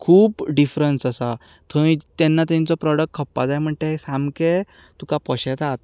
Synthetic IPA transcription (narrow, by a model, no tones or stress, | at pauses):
kʰuːpɖifɾənsəsa | t̪ʰəʋĩt̪ɛnːat̪ɛ̃nt͡sɔpɾɔɽək̚ʈ̚kʰəpːa̰d͡zajm̤əɳʈ̪esamke | t̪ukapɔɕɛt̪at̪